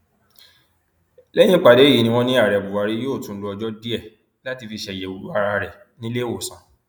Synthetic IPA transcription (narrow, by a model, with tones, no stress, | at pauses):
lɛ˦j̃ĩ˦k͡pa˨de˨˦ji˨nĩ˧w̃ɔ̃˧nĩ˦a˦˨ɾɛ˨bu˨wa˨˧ɾi˦jo˦˨tũ˨˦lɔ˧ɔ˧d͡ʒɔ˦di˦ɛ˦˨ | la˨˦ti˧fi˧ʃɛ˧˨jɛ˨o˨ɾu˦a˦˧ɾa˧ɾɛ˨ | nĩ˦le˦o˨sã˨˦